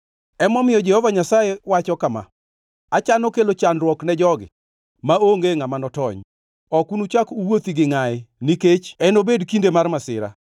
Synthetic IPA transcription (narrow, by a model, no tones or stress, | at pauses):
ɛmɔmɪjɔd͡ʒɛhɔvaɲasajewat͡ʃɔkama̰ | at͡ʃanokelot͡ʃanrwɔknɛd͡ʒɔɡɪ̰ | maoŋɡeŋamanɔtɔɲ | ɔkunut͡ʃakuwot̪iɡɪŋaɪniket͡ʃɛnobedkindemarmasɪ̰ɾa̰